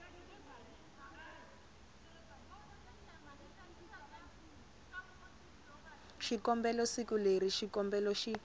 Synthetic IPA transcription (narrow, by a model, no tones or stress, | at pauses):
ʃikɔmbɛlɔsikuleriʃikɔmbɛlɔʃi